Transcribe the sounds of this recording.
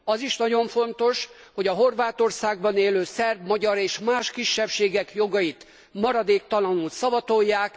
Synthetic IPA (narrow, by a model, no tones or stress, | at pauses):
ɒziʃnɒɟo̞ɱfo̞nt̪o̞ʃ | ho̞ɟɒɦo̞rvaːt̪o̞rsaːɡ̚bɒneːløːsɛrbmɒɟɒɾeːʃmaːʃkiʃːɛpʃeːɡɛkjo̞ɡɒjit̪ | mɒɾɒd̪eːk̚t̪ɒlɒnult̪sɒvɒt̪o̞jːaːk